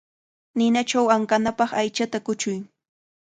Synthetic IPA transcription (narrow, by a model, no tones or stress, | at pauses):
nɪnat͡ʃawaŋkanapɑχajt͡ʃat̪akʊt͡ʃʊj